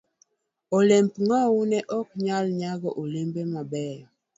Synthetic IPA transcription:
olɛmpŋawunɛʔɔk̚ɲalɲaɣɔʔolembemabɛjɔ

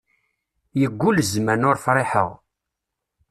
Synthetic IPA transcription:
jəɡʷːulzmænʊɾfɾˤɪħə̰ʁ

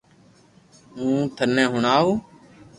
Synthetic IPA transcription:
ũːt̪ʰənɛ̃ːɦʊɳaːɦoː

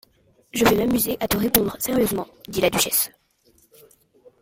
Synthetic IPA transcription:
ʒəvɛmamyzeʔat̪əʁepɔ̃d̪ʁəseʁjøzmɑ̃d̪ilad̪yʃɛs

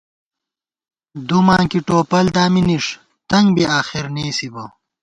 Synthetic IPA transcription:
d̪umãːŋkiʈoːpɐld̪aːminiʂ | t̪ɐŋɡbiaːxiɾneːsibɐ

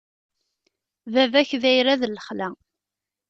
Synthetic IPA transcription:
vævæçðæjɾæðələχlæ

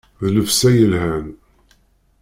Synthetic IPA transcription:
ðləfsæjəlhæn

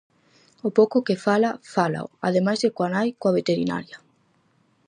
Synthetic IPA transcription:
ʊpowkʊkefalafala̰o̰a̰ðemajzðekwanajkoaβ̞et̪eɾina̰ɾjɐ

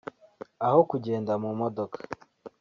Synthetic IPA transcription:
ahokuɟeːndamumodokḁ

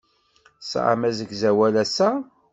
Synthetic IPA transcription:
sʕa̰mæzəɡzæwælæsæ

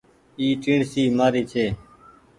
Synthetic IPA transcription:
iːʈĩːɳɖsiːmaːɾiːt͡ʃʰeː

